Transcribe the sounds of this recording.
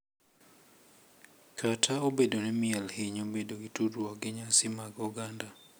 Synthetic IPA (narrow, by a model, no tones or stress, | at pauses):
kʰatʰaobedonɛmɪɛlhɪɲobedoɡituɾaɡɪɲasɪmaɡuɡanda